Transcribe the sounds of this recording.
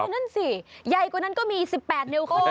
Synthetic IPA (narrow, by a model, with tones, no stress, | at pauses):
na˥˩nsi˨˩ja˨˧jkwa˨˩na˦˥nkɔː˥˩miː˧si˨˩pːɛː˨˩t̪̚ne˧wkʰo˥˩